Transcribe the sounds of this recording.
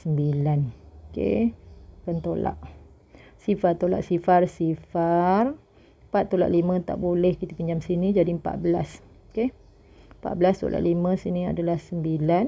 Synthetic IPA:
səmbilanokḛkant̪ola̰ʔ | sifart̪ola̰ʔsifarsifar | pat̪ːola̰ʔlimə̃t̪a̰ʔbolɛhkit̪apiɲd͡ʒamsinĩd͡ʒadimpa̰ʔ̪̚bəla̰s | oke | pa̰ʔ̪̚bəlast̪o̰lʔa̰ʔlimə̃sinia̰dalahsəmbilan

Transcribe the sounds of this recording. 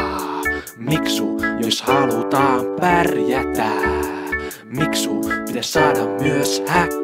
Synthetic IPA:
miksujoshɑlut̪ɑːmpærjæt̪æː | miksupit̪æssɑːdɑmmyøshæ

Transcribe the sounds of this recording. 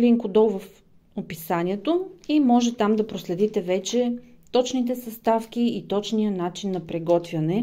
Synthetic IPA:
liŋkʊd̪ɔlˠvɐf | opisaniɛt̪oimɔʒɛt̪amd̪ɐpɾoslɛd̪it̪ɛvɛt͡ʃɛt̪ɔt͡ʃnit̪̬ɛsɐst̪afk̟iːt̪ɔt͡ʃnijənat͡ʃinːɐpɾɛɡɔt̪vʲjɐnɛ

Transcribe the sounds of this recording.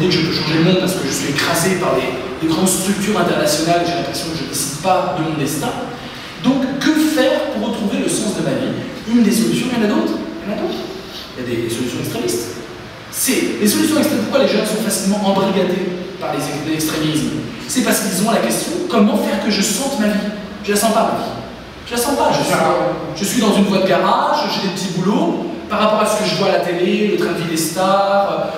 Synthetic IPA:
d̪ekʒəməʃɑ̃ʒelmɔ̃paʁsə̥kəʒəsɥiekχazepaʁd̪ed̪eɡʁɑ̃d̪st̪χyk̚t̪yʁɛ̃t̪ɛʁnasjɔnaleʒelɛ̃pχesjɔ̃kəʒəd̪esid̪pad̪əmɔ̃d̪ɛst̪ɛ̃ | d̪ɔ̃kːəfɛʁpuʁːət̪χuveləsɑ̃sd̪əmavḭynd̪esɔlysjɔ̃ɛ̃lad̪ot̪χɛ̃nad̪ot̪χ | iljad̪esɔlysjɔ̃ɛkst̪χemist̪ | sɛlesɔlysjɔ̃ɛkst̪χempuʁkwaleʒɛ̃sɔ̃fasilmɑ̃ʔɑ̃bʁiɡʲad̪epaʁlezɛɛkst̪χemism | sɛpaʁskilzɔ̃lakʲɛst̪jɔ̃kɔmɑ̃fɛʁkəʒəsɑ̃t̪mavi | ʒ̥əlasɑ̃pamavi | ʒ̥əlasɑ̃paʒəsɛalɔʁʒ̥əsɥid̪ɑ̃zynvwad̪əɡaʁaʃəʒəd̪elpət̪ibulopaʁapɔʁasə̥kəʒəvwalat̪elelət̪χɛ̃d̪vid̪est̪aʁø

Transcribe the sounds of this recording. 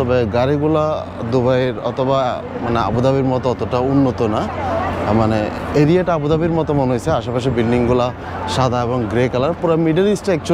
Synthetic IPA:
ɔbɛɡaɾiɡula | d̪ubajɾɔ̰t̪ʰɔba | manea̰bud̪abiɾmɔt̪ɔt̪ɔʈaunːot̪ɔna | maneeɾieʈaabud̪abiɾmɔt̪ɔmɔnojseaʃapaʃibilɖiŋɡula | ʃad̪ʱaebɔŋɡɾekalaɾpuɾamiɖelisʈɛk̚t͡ʃʰ

